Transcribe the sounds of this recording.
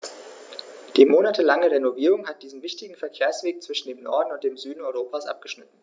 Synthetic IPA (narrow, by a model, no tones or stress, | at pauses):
d̥iːmoːnatʰəlaŋəʁenoviːʁ̞ʊŋhat̚d̥iːzn̩vɪçtɪɡŋ̩fɛɐkʰeːɐsv̥eːk̚t͡sv̥ɪʃn̩deːmnɔɐdn̩ʊntd̥eːmzyːdn̩ɔʏʁoːpʰaːsʔa̰p̚ɡ̥əʃnɪtn̩